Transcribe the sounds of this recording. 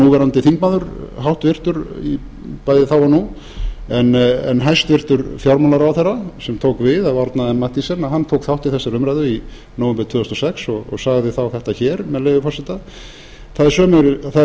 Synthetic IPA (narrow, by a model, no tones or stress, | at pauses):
nuvɛɾant̪ɪθiŋkmaðʏɾ̥ɦawht̪vɪr̥t̪ʏɾi | pajðɪθawvanu | ɛnɛ̰nɦajst̪vɪr̥t̪ʏɾfjawɾmanaɾawθɛrːasɛmt̪ʰoːwkvɪðaðɔɾt̪naðɛnmat̪isɛnahɦant̪ʰowkθawht̪iθɛsːaɾʏmɾajðʏi | nowvɛmpɾɪɾt̪ʰvœːðʏst̪ɔsɛksɔɣɔ̰ɣsaɣðɪθawθɛht̪açɛɾmɛðleːvʏfɔrsɪt̪a | θaðɪɾ̥sœːmɛɾθað